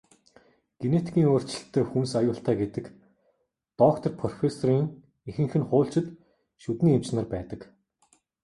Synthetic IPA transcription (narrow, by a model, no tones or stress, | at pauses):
ɡ̥enet̪ʰi̥kʲiːŋoːr̥t͡ɕɪ̆ɬt̪ʰːeːxunsajʊːɬt̪aːɡet̪ɘ̆k | t̪ɔkt̪ʰɔ̆rpʰɔrɔfesɔriːŋ | exɘ̆ŋxɘ̆nχʊːɬt͡ɕɪ̆t̪ | ʃut̪niːem̥t͡ɕnə̆rpæːt̪ə̆k